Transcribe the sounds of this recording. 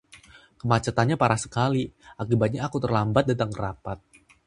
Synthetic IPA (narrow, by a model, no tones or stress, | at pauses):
kəmat͡ʃat̪anɲapaɾasə̥kaliʔakibat̪̚ɲaːkut̪ərlambat̪̚dat̪aŋəɾapat̪̚